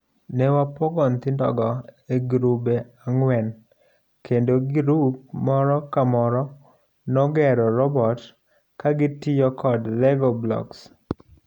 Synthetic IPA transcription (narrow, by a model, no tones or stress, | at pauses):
nɛwapɔɡɔnt̪ɪndɔ̰ɡɔeɡɾubeaŋwɛn | kendoɡiɾup̚mɔɾɔkamɔɾɔ | nɔɡɛɾɔɾɔbɔt | kaɡɪtɪjɔkɔdlɛɡɔblɔ̰ks